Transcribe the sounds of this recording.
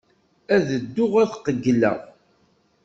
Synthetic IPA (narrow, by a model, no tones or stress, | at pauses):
æðəd̪ːʊʁæθqəɡlæ̰